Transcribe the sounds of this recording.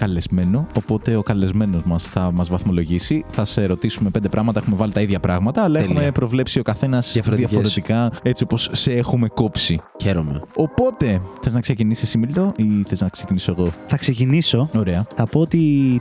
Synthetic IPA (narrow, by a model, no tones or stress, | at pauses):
kɐle̞zme̞no̞ːpo̞t̪e̞okɐle̞zme̞no̞zmɐsθɐmɐzvɐθmo̞lo̞ʝisiθɐseɾo̞t̪isumepend̪epɾɐɣmɐt̪ɐe̞xume̞vɐlit̪ɐiðʝɐpɾɐɣmɐt̪ɐːlɐeumepɾo̞vle̞psio̞kɐθe̞nɐsɐfoðiɐo̞ɾet̪ikɐe̞t͡sipo̞sːeexumeko̞psiçeɾomḛo̞po̞t̪e̞θe̞znɐksecinisisimilt̪o̞ʔiθe̞znɐksecinisoe̞ɣo̞θɐkse̞ciniso̞o̞ɾe̞ɐθɐpo̞ot̪i